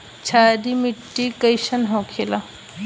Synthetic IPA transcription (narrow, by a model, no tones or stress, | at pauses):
t͡ɕʰadimiʈːikəjɕənɦõkʰela